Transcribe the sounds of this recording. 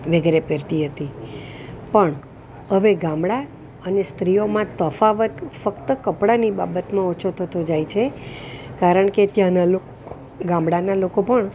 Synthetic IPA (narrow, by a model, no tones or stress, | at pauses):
ʋəɡeɾepeɾt̪iɦət̪i | pəɳ | ɦəʋeɡãmɽa | ənest̪ɾijomãt̪əfaʋət̪fəkt̪əkəpɽaniba̰bət̪mãot͡ʃʰot̪ʰət̪od͡ʒajt͡ʃʰekaɾəɳket̪jãnalo | ɡãmbɽanalokopəɳ